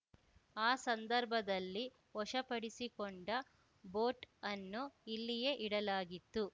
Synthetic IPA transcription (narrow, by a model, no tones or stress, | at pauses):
aːsɐnd̪ɐɾbʱɐd̪ɐlːi | ɔʂɐpɐɽisikoɳɖɐ | bo̞ːʈɐnːuilːije̞ʔiɽɐlaːɡit̪ːu